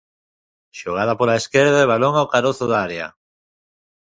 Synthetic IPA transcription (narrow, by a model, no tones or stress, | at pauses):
ʃoɣ̞að̞apolaeskeɾðaeβ̞aloŋawkaɾoθʊðaɾea̰